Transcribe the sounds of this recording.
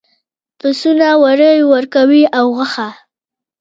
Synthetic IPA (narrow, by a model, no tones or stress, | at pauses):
pəsunawaɾəjwəɾkawiawɣəxa